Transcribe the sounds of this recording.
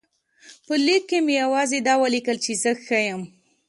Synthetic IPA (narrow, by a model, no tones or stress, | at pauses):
pəlikːemejawɑzed̪ɑwəlikəlt͡ʃezəxajəm